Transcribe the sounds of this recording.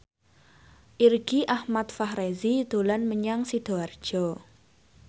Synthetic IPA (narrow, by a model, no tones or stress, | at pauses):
ʔirɡ̥iʔahmat̪̚fahɾezid̪̥o̤lanməɲaŋsid̪̥oard̥ʒ̥ɔ